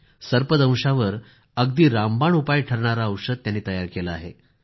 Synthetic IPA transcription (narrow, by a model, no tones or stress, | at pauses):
səɾpəd̪ə̃w̃ʂaʋəɾ | əɡd̪iːɾambaɳupajʈʰəɾɳ̃aɾaəwʂəd̪̚t̪janːiːt̪əjaɾkeləa̰ɦḛ